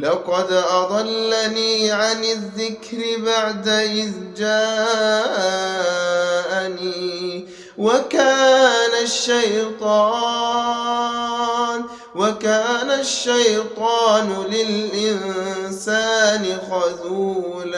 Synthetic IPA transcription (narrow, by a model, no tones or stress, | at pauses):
lɑqɑd̪ʔɑd̪ˤɑlːaniːʕanɪðːɪkɾɪbaʕd̪aʔɪðd͡ʒaː | ʔaniː | wakaːnaʃːajt̪ˤɑː | n | wakaːnaʃːajt̪ˤɑːnʊlɪlʔɪnsaːnɪɣɑzuː | la